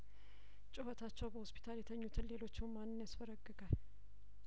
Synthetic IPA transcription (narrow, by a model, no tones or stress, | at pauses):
t͡ʃʼʊhət̪ʰat͡ʃːɛwbəhospʰi̥t̪ʰaljɛt̪ʰəɲːut̪ʰɨnle̞lo̞t͡ʃːɪmanːɨnjasfəɾəɡːɨɡʼal